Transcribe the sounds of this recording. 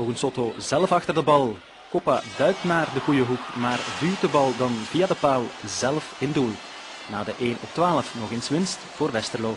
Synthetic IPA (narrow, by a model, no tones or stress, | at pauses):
oːɣənsotozɛlˠfɑxtərdəbɑlˠ | kɔpa̰dœɥk̚tnaːrdəɣujəɦukmaːrvyːdəbɑlˠdɑnviadəpaːlˠzɛlfɪndulˠ | naːdəʔeːnɔftʋaːləfnɔxɪnsʋɪnstv̥oːrʋɛstərloː